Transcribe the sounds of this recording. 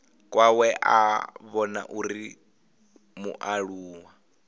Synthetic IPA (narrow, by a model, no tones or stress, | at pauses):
kʼwawɛʔaβɔna̰ʔuɾi | muʔaɺuːwa